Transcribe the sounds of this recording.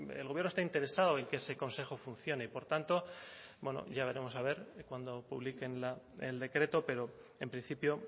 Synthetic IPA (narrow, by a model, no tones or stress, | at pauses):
elɣβje̞rnost̪aint̪e̞ɾe̞saðoe̞ŋkeese̞ko̞nse̞xo̞fun̟θjo̞neipo̞ɾt̪ant̪o̞bwe̞no̰ʝaβ̞e̞ɾe̞mo̞saβ̞e̞ɾkwand̪o̞puβlike̞nla | ḛld̪e̞kɾe̞t̪o̞pe̞ɾo̞e̞mpɾinθipjo̞